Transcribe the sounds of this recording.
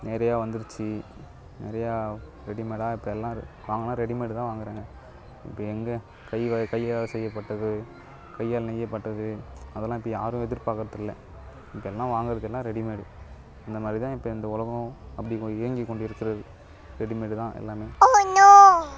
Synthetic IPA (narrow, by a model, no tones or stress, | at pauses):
nɛɾɐjaːʋɐnd̪ɪɾɯt͡ʃːɯ | nɛɾɐjaːɾɛɽɪmeːɽaːɪpːɐɛlːãː | ʋaːŋɡɐlːãːɾɛɽimeːɽɯt̪ãːʋaːŋɡɐɾẽːŋɡɐ | ɪ̰pːɐɛŋɡɐ | kɐɪʋakɐjːjaːlsɛjːɐpːɐʈːɐðɯ | kɐjːaːlnɛjːɐpːɐʈːɐðɯɐðɛlːãːɪpːɐjaːɾʊ̃ɛðɪɾpaːkɐɾɐðɯlːɐ | ɪpːɐɛlːãːʋaːŋɡɪɾɐðɯɛlːãːɾɛɽɪmeːɽɯ | ɐnd̪ɐmaːd̪ɾit̪ãːɪpːɐɪnd̪ɐʊlɐɣɐ̃ɐpːɐɽɪkɪɾɐŋɡikːɔɳɖɪɾɯkːɪɾɐðɯ | ɾɛɽɪmeːɽɯt̪ãːʔɛ̰lːaːmeːoɐɲːoː